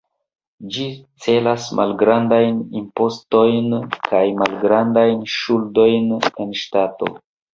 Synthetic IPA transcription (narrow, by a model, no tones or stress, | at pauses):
d͡ʒit͡se̞lasmʔa̰lɡɾandajnimpo̞sto̞jnkʰajmalɡɾandajnʃuldo̞jne̞nʃtato̞̰